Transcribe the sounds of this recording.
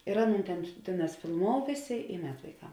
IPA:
ɪr ˈɑːˌnuːn ˈtʲɛn ˈtʲeːˌnɑːs fʲɪlˠˈmoːʊ ˈʋʲeːˌsʲeː ɪ ˈmʲɛt ʋɐɪˈkɐm

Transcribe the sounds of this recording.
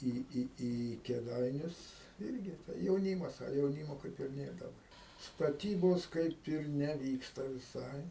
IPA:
ˈiː ˈiː iː kʲeːˈdɐɪnʲʊs ˈɪrʲɡʲɪ tɐɪ jɛʊˈnʲiːmɐs ɐ jɛʊˈnʲiːmoː ˈkɐɪp ɪr ˈnʲeːr dɐˈbɐ stɐˈtʲiːboːs ˈkɐɪp ɪr nʲɛˈʋʲiːkstɐ ʋʲɪˈsɐɪ

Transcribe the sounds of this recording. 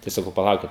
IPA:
tɐɪ sɐˈkɐʊ pɐˈlˠɐʊkʲɪt

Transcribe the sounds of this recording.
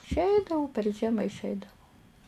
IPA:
ɪʃʲˈɛɪdɐʋʊ pʲɛr ˈʒʲiɛmɐ ɪʃʲˈɛɪdɐʋʊ

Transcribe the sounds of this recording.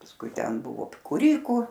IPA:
pɐsˈkʊɪ ˈtʲɛn ˈbʊʋoː kuːˈrʲiːkʊ

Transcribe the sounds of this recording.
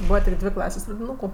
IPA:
ˈbuːʋɐ tʲɪk ˈdʲʋʲeː ˈklˠɑːsʲeːsʲ prɐdʲɪˈnuːkʊ

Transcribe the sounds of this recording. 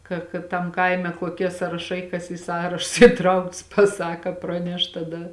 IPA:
ˈkɐ kɐ ˈtɐm ˈkɐɪmʲɛ koːˈkʲiɛ sɑːrɐˈʃɐɪ kɐs iː ˈsɑːrɐʃʊs iːˈtrɐʊkts pɐˈsɑːkɐ ˈprɑːnʲɛʃ tɐˈdɐ

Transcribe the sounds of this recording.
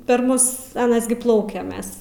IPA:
pʲɛr ˈmʊs ɐˈnɐs ɡʲɪ ˈplˠɐʊkʲɛ ˈmʲɛs

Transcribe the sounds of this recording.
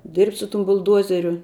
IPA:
dʲɪrʲpʲtʲ sʊ tʊm bʊlˠˈduɔzʲɛrʲʊ

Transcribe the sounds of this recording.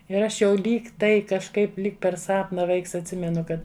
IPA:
ɪr ˈɐʃ jɛʊ ˈlʲiːk ˈtɐɪ kɐʃˈkɐɪp ˈlʲiːk pʲɛr ˈsɑːpnɐ ˈʋɐɪks ɐtʲˈsʲɪmʲɛnʊ ˈkɐt

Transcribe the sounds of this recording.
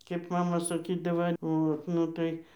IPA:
kʲeːp ˈmɑːmɐ sɐˈkʲiːdɐʋɐ ˈoːt ˈnʊ tɐɪ

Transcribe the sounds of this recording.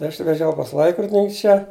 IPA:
ɪ ˈɐʃ ʋʲɛˈʒʲɛʊ pɐs ˈlˠɐɪkroːdʲɪnʲɪŋʲkʲ ˈt͡ʃʲɛ

